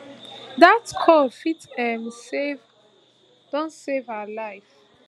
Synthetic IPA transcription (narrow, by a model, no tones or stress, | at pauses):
datkʰɔlfitɛ̃msev | d̥ɔ̃nsevaalaɪf